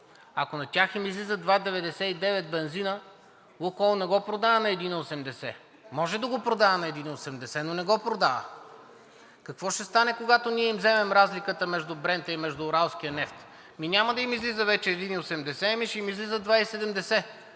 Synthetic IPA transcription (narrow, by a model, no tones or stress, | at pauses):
ɐkonɐt̪ʲaximizlizəd̪vad̪ɛvɛd̪ɛsɛid̪ɛvɛt̪̚bɛnzinə | lokɔlˠnɛɡɔpɾod̪aənɐɛd̪iniosɛmd̪ɛsɛ | mɔʒɛd̪ɐɡopɾod̪aənɐɛd̪iniosɛmd̪ɛsɛnonɛɡɔpɾod̪avə̰ | kɐkvɔʃt̪ɛst̪anɛkoɡat̪oniɛimzɛmɛmɾazlikət̪əmɛʒd̪ubɾɛnt̪əimɛʒd̪uːɾalˠsk̟ʲijənɛft̪ | minʲamɐd̪ɐimizlizəvɛt͡ʃɛːd̪iniosɛmd̪ɛsɛɛmiʃɛimizlizəd̪vaisɛd̪ɛmd̪ɛsɛ